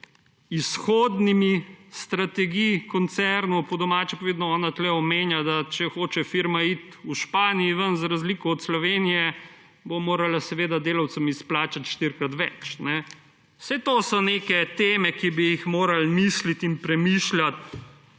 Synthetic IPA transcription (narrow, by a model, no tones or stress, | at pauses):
isxoːd̪nimist̪ɾat̪ɛɡijkɔnt̪sɛɾnupɔd̪ɔmaːt͡ʃɛpaʋeːd̪nɔɔːnat̪lɛɔmeːnjad̪at͡ʃɛxoːt͡ʃɛfiɾmait̪uʃpaːnijiʋənzɾazliːkɔɔt̪slɔʋeːnijɛ | bomoːɾalasɛʋeːd̪ad̪eːlawt̪səmisplaːt͡ʃat̪ʃt̪iɾkɾat̪ʋɛt͡ʃnɛ | wsɛt̪oːsɔneːkɛt̪eːmɛkibijixmoːɾalmislit̪inpɾɛmiʃljat̪